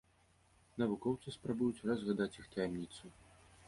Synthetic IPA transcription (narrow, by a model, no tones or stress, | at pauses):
nɐvukɔwt̪sɨspɾabujut͡sʲrɐzɣad̪at͡sʲixt̪ɐjamnʲit̪su